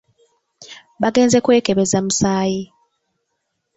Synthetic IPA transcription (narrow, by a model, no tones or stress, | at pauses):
βaɡe̞ːnze̞kwe̞ːkeβe̞zamusaːji